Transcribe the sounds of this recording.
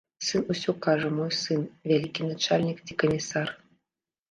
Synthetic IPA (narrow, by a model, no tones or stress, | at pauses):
sɨnusʲokɑʐə̆mojsɨnvʲælʲikʲːinat͡ɕalʲnʲikt̪ʲikomʲisɑr